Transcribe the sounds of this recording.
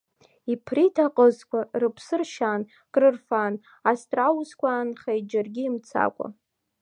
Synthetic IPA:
ipʰritʰaqʼəzkʷarɨpʰsɨrʃan | kʼrɨrfan | astʼrawuskʷʰanχajd͡ʒarɡʲiːmt͡sʰa̰kʷʼa̰

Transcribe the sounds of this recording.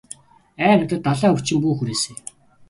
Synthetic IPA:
æːnə̆t̪ə̆t̪ːaɮaːut͡ɕɪ̆mpuːxuɾeːseː

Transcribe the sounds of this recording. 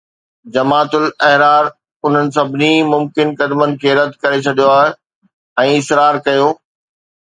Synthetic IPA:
d͡ʑɐmaːt̪ʊlɛɦɾaːɾ | ʊn̤ənɪ̆s̬ɐbʱɪnimʊmkɪnkɐd̪mənɪ̆kʰeːɾɐd̪ʱkɐɾet͡ɕʰɐɗijoaːɦɪ | ɛ̃ːɪsɾaːɾkɐjoː

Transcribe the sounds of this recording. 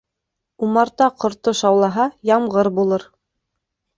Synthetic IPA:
umɑɾt̪ɑqŏɾt̪oʃɑwlˠɑɦɑjɑmʁɤɾbulˠɤɾ

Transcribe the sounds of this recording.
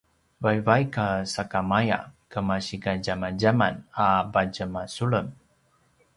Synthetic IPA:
vajvajkasakamaja̰kəmaɕiɡad͡ʒamad͡ʒamanabad͡ʒəmasuɭəm

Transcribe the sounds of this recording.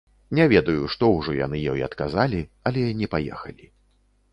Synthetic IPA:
nʲɛvʲɛd̪ɐjuʂt̪ɔwʐɔja̰nɨjɔjɐt̪kazalʲiɐlʲɛnʲɛpajɛ̰xɐlʲi

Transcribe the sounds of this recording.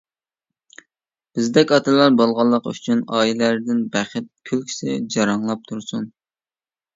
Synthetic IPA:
b̥ɪzd̪ɛkʲɑt̪ʰɨlˠɑɾbolˠʁɑlˠːəqy̰t͡ʃʰynɑːilæɾd̪ɪnbæχɪt̪̚kʲʰylkʲʰi̥sɛd͡ʒɑɾɑŋlˠɑp̚t̪ʰuɾsun

